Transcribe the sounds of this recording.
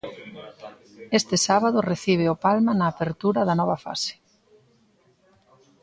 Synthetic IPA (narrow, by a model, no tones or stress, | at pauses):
est̪ɪsaβaðʊreθiβ̞ɪʊpalmɐnaːpeɾt̪uɾɐðɐnɔβ̞ɐfa̰sɪ̥